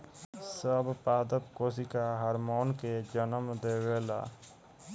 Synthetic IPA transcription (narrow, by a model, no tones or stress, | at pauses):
səbpaːd̪əpkoːs̬ikaɦəɾmoːnked͡ʒənəmd̪eːweːla̰ː